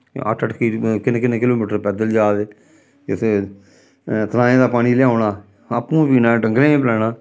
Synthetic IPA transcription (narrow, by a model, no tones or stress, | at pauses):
ə̰ʈʰəʈkiːkɪnːkɪneːkɪloːmiːʈəɾpɛːd̪əld͡ʒaːd̪eː | ɪt̪ʰː | t̪ənaːẽːd̪aːpaːɽ̃iːlɪaːonaː | əpːũːpiːnãːɖəŋɡlẽːẽːplɛːnaː